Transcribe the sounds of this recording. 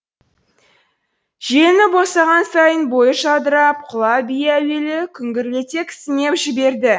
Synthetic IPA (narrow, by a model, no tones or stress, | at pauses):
ʒ̥enɪbo̞sɑʁɑnsɑjənbo̞jəʃɑd̪əɾɑp̚qʰʊlˠɑbijæwe̞lɪkʲʰʏŋɡʲɪɾle̞t̪e̞kʲʰɪ̥sɪne̞pʒɪbe̞ɾd̪ɪ